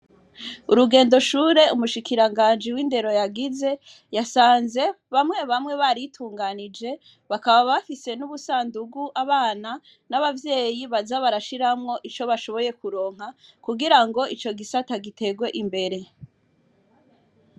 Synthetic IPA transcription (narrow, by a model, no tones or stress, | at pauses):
uɾuɡe̞ːndo̞ʃuːɾe̞umuʃikiɾaŋɡaːnd͡ʒiwiːnde̞ɾo̞jaɡize̞ | jasaːnze̞ | βamŋe̞βamŋe̞βaɾitʰuːŋɡanid͡ʒe̞ | βakaβaβafise̞nuβusaːnduɡuʔaβaːna | naβavje̞ːjiβazaβaɾaʃiɾamŋo̞ʔit͡ʃo̞βaʃo̞βo̞je̞kuɾo̞ːŋ̥ɦakuɡiɾaŋɡo̞ʔit͡ʃo̞ɡisataɡite̞ɡwe̞ʔimbe̞ɾe̞